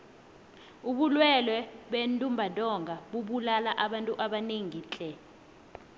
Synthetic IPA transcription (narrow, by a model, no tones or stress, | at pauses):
uɓulwɛlwɛɓentʼumbʱadʼɔŋɡʱaɓuɓulalaʔaɓantʼuʔaɓaneŋiːt͡ɬʼɛ